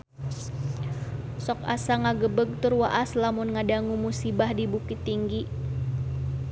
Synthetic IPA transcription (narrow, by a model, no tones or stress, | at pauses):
sɔka̰saŋaɡəbəɡ̚t̪ʊrwaʔaslamʊnŋadaŋumusibahdibukit̪ːiŋɡi